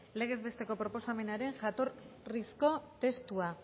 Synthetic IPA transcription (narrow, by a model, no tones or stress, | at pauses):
le̞ɣ̞e̞zβe̞st̪e̞ko̞pɾo̞po̞same̞naɾe̞ŋʝat̪o̞ɾrisko̞t̪e̞st̪ua